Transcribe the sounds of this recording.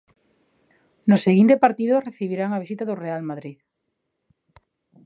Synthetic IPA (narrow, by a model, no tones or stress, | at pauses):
nʊseɣint̪epaɾt̪iðoreθiβiɾaŋaβ̞isit̪aðʊrealmaðɾið